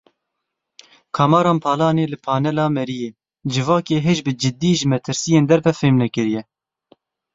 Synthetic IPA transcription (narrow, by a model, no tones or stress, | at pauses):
kʰɑːmɑːɾɑːnpʰɑːlɑːneːlɨpʰɑːnɛlɑːmɛɾijeː | d͡ʒɨvɑːkeːɦeʒbɨd͡ʒɪd̪ːiːʒɨmɛt̪ʰɨɾsijeːnd̪ɛɾvɛfeːmnɛkɨɾijɛ